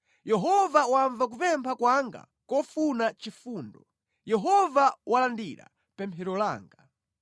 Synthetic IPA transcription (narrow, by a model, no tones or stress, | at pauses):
jɛɦɔvawaɱvak̬upɛmpʰakwaŋɡa̰ | kɔfunat͡ʃifuːndɔ | jɛɦɔvawalandiɾa̰ | pɛmpʰɛɾɔla̰ːŋɡa